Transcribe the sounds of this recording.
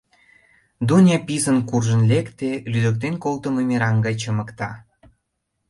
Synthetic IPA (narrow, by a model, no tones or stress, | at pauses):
d̪unʲepizənkurʒənlekt̪elyd̪ək̚t̪enkolt̪ə̆məmeɾɑŋɡɑjt͡ɕəmə̆kt̪ɑ